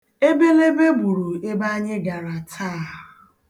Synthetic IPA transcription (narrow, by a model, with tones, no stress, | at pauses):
e˦be˦le˦be˦bu˨ɾu˨e˦ba˦a˦ɲɪ˦ɡa˨ɾa˨tʰaː˦˨ɦʊ˨